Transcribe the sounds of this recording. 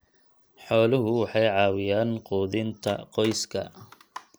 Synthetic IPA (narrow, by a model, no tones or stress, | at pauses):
ħɔːlɪɦʊwɑħɑjʕɑːwɪjaːnquːðɪnt̪ʰɐ̰qɔjskʰɐ̰